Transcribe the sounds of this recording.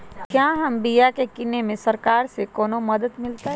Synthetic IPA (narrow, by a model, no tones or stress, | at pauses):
kjaːɦɐmbijakekɪnːemẽsɐɾkaːɾsekɔːnomɐd̪əd̪mɪlt̪aɦɛ